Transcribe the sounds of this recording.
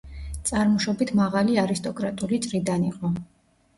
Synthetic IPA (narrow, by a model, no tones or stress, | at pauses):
t̪sʼaɾmɔʃɔbit̪ʰmaʁaliaɾist̪ʼɔkʼɾat̪ʼulit̪sʼɾid̪aniqʼɔ